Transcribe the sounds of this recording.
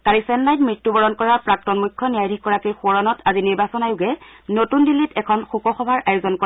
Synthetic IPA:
kaɹisɛnːajtmɹitːubɔɹɔnkɔɹapɹak̚tɔnmukʰːɔnijajdʱikkːɔɹakijxɔɹɔnɔtʰaziniɹbasɔnajʊɡɛnotundilːitɛkʰɔnxukɔxɔbʱaɹʔajozɔnkɔ

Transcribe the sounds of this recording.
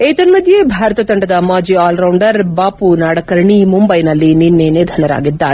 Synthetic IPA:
ejt̪ɐnmɐd̪ʱjebʱaːɾɐt̪ɐt̪ɐɳɖɐd̪ɐmaːd͡ʒiaːlɾɐwɳɖɐɾbaːpunaːɽɐkɐɾɳimumbɐjnɐlːininːeneːd̪ʱɐnɐɾa̰ːɡid̪ːa̰ː

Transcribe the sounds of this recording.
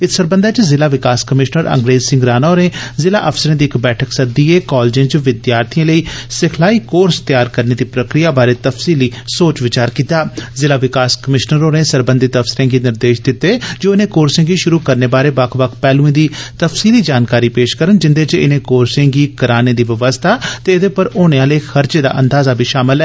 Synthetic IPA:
ɪsəɾbənd̪aːt͡ʃzɪlaːʋɪkaːskəmɪʃnəɾə̰̃ŋɡɾeːzsɪ̃ŋɡɾaːnaːɾẽːzɪla̰ːʔəfsəɾẽːd̪iːkbɛːʈʰəksəd̪iːeːkɔːld͡ʒɪ̃ːt͡ʃʋɪd̪jaːɾt̪ʰijãːləiːsɪkʰlaːiːkoːɾst̪jaːɾkəɾneːd̪iːpɾəkɾɪjaːbaːɾeːt̪əfsiːliːsoːt͡ʃʋɪt͡ʃaːɾkiːt̪aːzɪlaːʋɪkaːskəmɪʃnəɾoːnẽːsəɾbə̃nd̪ɪt̪əfsɪɾẽːɡiːnɪɾd̪eːʃd̪ɪt̪ːeːd͡ʒoːɪnẽːkoːɾsɪ̃ːŋɡiːʃʊɾuːkəɾneːbaːɾeːbakʰʋəkʰpɛːlũẽːd̪iːt̪əfsiːliːd͡ʒaːnkaːɾiːpeːʃkəɾənd͡ʒɪnd̪eːt͡ʃɪ̰nẽːkoːɾsẽːɡiːkəɾaːneːd̪iːʋəʋəst̪ʰaːt̪eːɪd̪eːpəɾoːɽ̃eãːleiːxʰəɾd͡ʒeːd̪a̰ːʔənd̪aːzaːbʱiːʃaːmɪlɛː

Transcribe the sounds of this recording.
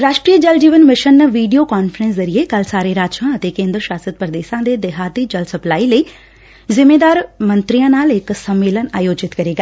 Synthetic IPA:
ɾaːʃʈɾijəd͡ʒɐld͡ʒiːʋənmɪʃənːʋiːɖijoːkaːnfʰəɾə̃nszɐɾiekɐlsaːɾeɾaːt͡ʃãɐt̪ekẽːnd̪ɾəʃaːsət̪̚pɾəd̪eːʃãːd̪eːd̪eɦaːt̪iːd͡ʒɐlsɐplaːiləiː | zɪmeːd̪aːɾmənt̪ɾijãːnaːlɪksɐmːeːlənaːjoːd͡ʒɪt̪kɐɾeːɡa

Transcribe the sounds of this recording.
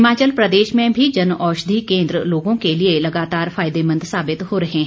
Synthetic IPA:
ɪmaːt͡ʃəlpɾəd̪eːʃmẽːbʱiːd͡ʒənɔːʃd̪ʱiːkẽːnd̪ɾəloːɡõkelɪeləɡaːt̪aːɾfʰaːɪd̪eːmə̃nd̪saːbɪt̪hoːɾəɦẽːɦ

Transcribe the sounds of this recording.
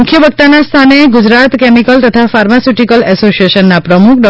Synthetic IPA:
ukʰjəbəɡk̚t̪anast̪ʰaneɡud͡ʒɾat̪kɛmikəlt̪ət̪ʰafaɾmasiʈikəlɛsosijeʃənːapɾəmukʰɖɔ

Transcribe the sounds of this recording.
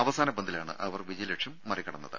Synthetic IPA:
ɐʋɐsaːnɐbɐnd̪ilaːɳɨ̰ʔɐʋɐrʋid͡ʑɐjileʈʂumːɐrikːɐɽɐnːɐðɨ̰

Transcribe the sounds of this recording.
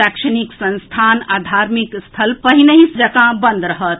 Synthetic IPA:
ɐkʃəniksɐ̃nst̪ʰaːnad̪ʱaːɾmikst̪ʰəlpəɦinəɦisd͡ʒɐkãbə̃nd̪ɾɐɦət̪̚

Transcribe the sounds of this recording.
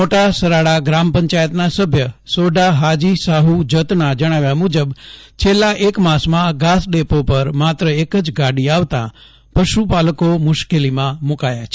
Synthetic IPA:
oʈasəɾaɽaɡɾampəɲt͡ʃajət̪nasəbʱjəsoɖaɦad͡ʒisaɦud͡ʒət̪nad͡ʒəɽ̃aʋjamud͡ʒəbt͡ʃʰelːaʔekmãsmãɡasɖepopəɾmat̪ɾəekəd͡ʒɡaɽiaʋt̪ã̰ | pəʃupaləkomʊʃkelimãmukajat͡ʃʰe

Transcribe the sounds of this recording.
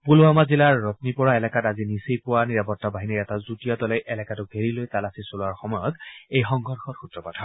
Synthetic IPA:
pulamazilaɹːɔtnipɔɹaɛlɛkatazinisejpʊwaniɹapɔtabaɦiniɹɛtazutijatɔlɛjʔɛlɛkatʊbʱeɹilojtalasisolʊaɹxɔmɔjɔtejxɔŋɡʱɔɹxɔtxutɹɔpatʰɔɹ

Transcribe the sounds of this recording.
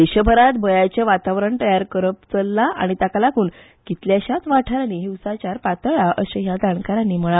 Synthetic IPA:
d̪eɕəbʱəɾat̪bʱəjat͡ɕjaʋat̪aʋɾəɳt̪əjaɾkəɾəpt͡səlːaʔa̰ɽ̃it̪akalakuːn | kit̪ljaɕat̪ʋaʈʰaɾniɦiwsat͡ɕaɾpat̪əɭaʔəsəɦjad̪aɳkaɾanːim̤əɭa

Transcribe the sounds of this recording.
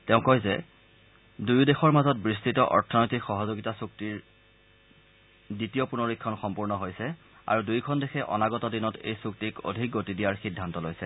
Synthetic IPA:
tɛʊ̃kɔjzɛ | dujdexɔɹmazɔt̚bɹistitɔʔɔɹtʰɔnɔjtʰikxɔɦɔzoɡitasuk̚tiɹ | ditijɔpunɔɹikʰːɔnxɔmpuɹnɔɦojsɛ | a̰ɹudujkʰɔndexʰɛʔɔ̰naɡɔtɔdinɔtḛjsuk̚tiko̰dʱik̚ɡotidijaɹxidʱːantɔlojsɛ

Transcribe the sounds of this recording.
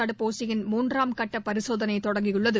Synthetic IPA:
ɐɽɯpoːsɪjɪnmuːndraːmkɐʈːɐpɐɾɪsoːðɐnɐɪt̪ɔɽɐŋɡɪjɯɭːɐðɯ

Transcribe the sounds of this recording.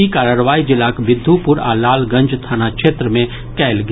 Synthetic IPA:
ikaːɾaːɾʋaːid͡ʒɪlaːkʋɪd̪ʱːupʊɾa̰ːlaːlɡɐ̃nd͡ʒt̪ʰaːnakʃeːt̪ɾəmẽ | kɛːlɡ

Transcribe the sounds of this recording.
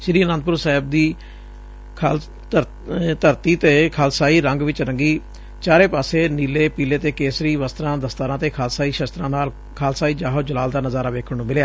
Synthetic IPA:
ʃɪɾiːənə̃nd̪pʊɾsaːɦɪb̚d̪iː | kʰː | əɾ | t̪əɾt̪iːt̪eːkʰaːlsaːiːɾəŋɡʋɪt͡ʃɾəŋɡiː | t͡ʃaːɾeːpaːseːniːleːpiːleːt̪eːkeːsɾiːʋəst̪ɾãːd̪əst̪aːɾãːt̪eːkʰaːlsaːiːʃəst̪ɾãːnaːl | kʰaːlsaːiːd͡ʒaːɦoːd͡ʒəlaːld̪aːnəzaːɾaːʋeːkʰəɽnũːmɪljaː

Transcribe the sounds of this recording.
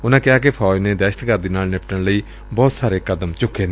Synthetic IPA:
ʊnãːkɪjaːk̬epʰaːd͡ʒneːd̪ɛːʃə̥t̪kəɾd̪iːnaːlnɪpʈəɳləiː | bɔːt̪saːɾeːkəd̪əmt͡ʃʊkːeːneː

